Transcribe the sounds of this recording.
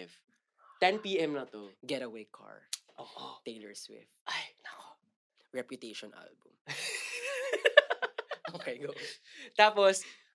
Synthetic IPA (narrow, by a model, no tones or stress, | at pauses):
v | t̪ɛnpiʔɛmnɐt̪oɡɛɾɐwejkʰːa̰ɹʔoːʔot̪eɪlɛɹswɪ̰ft̪̚ʔajnako | ɹɛpjʊt̪eʃɔnʔa̰lbʊm | okejɡɐt̪aːpos